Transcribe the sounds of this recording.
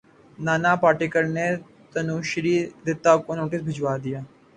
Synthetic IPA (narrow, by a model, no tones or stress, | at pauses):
naːnapaːɾʈɪkəɾne | t̪ɐnuːʃɾiːd̪ɪt̪ːakonoːʈɪsbʱɪd͡ʒwaːd̪ijaː